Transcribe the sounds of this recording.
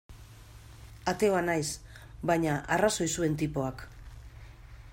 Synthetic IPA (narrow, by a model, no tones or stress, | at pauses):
at̪e̞o̞anajs | bajɲaʔaraso̞jsue̞nt̪ipo̞ak